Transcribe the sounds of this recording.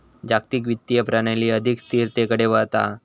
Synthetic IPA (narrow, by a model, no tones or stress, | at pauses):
d͡ʑak̚t̪ik̬ʋit̪ːijəpɾaɳ̃aliːəd̪ʱikst̪ʰiːɾt̪ekəɽeʋəɦt̪a̰